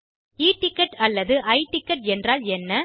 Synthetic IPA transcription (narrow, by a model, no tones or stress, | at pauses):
iːʈɪkːɐʈɐlːɐðɯʔɐɪʈɪkːɐʈ̚ɛndraːlɛnːɐ